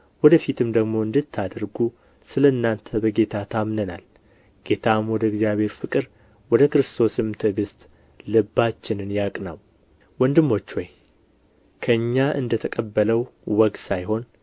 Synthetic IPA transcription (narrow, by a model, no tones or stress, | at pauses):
wɔd̪əfit̪ʰɨmd̪əɡmo̞ɨnd̪ɨt̪ʰːad̪əɾɡu | sɨləɨnːant̪ʰəbəɡe̞t̪ʰat̪ʰamnəna̰l | ɡ̥e̞t̪ʰamwɔd̪əɡzjaβhe̞ɾfɨkʼɨɾ | wɔd̪əkɾɨst̪ʰo̞sɨmt̪ʰɨɡɨst̪ʼ | lɨbːat͡ʃːɪnɨnjakʼna̰w | wɔnd̪ɨmːo̞t͡ʃːwɔj | kʰəɨɲːaʔɨ̰nd̪ət̪ʰəkʼəbːələwwɔɡ̪sajɦo̞n